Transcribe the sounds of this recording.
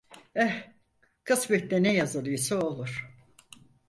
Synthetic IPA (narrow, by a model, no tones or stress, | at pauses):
ɛ | kʰɯsbɛt̪d̪ɛnɛjazɯlˠɯjsaolˠuɾ̥